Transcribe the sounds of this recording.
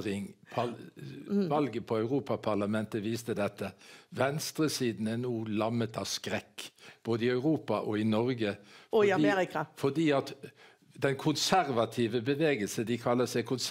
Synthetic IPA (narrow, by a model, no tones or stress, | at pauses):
ɾɪŋpʰɑ | ʋɑlɡəpʰɔɑʉʁuːpɑpʰɑʁlɑmɛnt̪əʋiːst̪əd̪ɛt̪ʰːəʋɛnst̪ɾəsiːd̪n̩ænuːlɑmːət̪ɑʋskɾɛkːb̥oːd̪əɪœʉʁuːpɑʔɔɪnɔɾɡə | eɾɪkfɔdiːɑt̪ | d̪ɛnkʰʊnsæɾʋɑt̪ʰiːʋəbəʋeːɡəlsəd̪ɪkʰɑlːəsɛɪkʰʊns